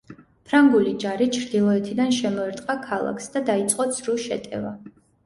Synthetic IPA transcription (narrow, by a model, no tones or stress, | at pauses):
pʰɾaŋɡulid͡ʒaɾit͡ʃʰɾd̪ilˠɔɛt̪ʰid̪anʃɛmɔɛɾt̪ʼqʼakʰalˠa̰kʰsd̪ad̪ait̪sʼqʼɔzsɾuʃɛ̰t̪ʼɛ̰va